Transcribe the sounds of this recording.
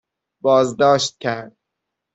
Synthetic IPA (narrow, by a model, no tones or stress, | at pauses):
bɒːzd̪ɒːʃt̪̚cʲʰæɾd̪̚